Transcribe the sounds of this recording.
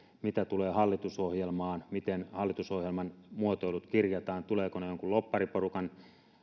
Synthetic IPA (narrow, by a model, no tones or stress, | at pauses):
mit̪æt̪uleːhɑlːit̪usohjelmɑːnmit̪enhɑlːit̪usohjelmɑnmuot̪oilut̪kirjɑt̪ɑːnt̪uleːkonejoŋkullopːɑriporukɑn